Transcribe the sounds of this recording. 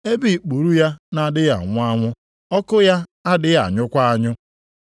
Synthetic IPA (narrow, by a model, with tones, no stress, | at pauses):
e˦bi˦˨k͡pu˨ɾu˦ja˦na˨dɪ˦ɣa̰˨ŋʷʊ˦a˦ŋʷʊ˦ | ɔ˦kʊ˦ja˦a˦dɪ˦ɣa̰˨ɲʊ˦kʷa˦a˦ɲʊ˦